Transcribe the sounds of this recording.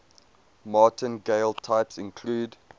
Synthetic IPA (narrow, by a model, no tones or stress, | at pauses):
mɑːˑtʰə̃nɡeɪlˠtʰaɪpsɪ̃nkʰluːd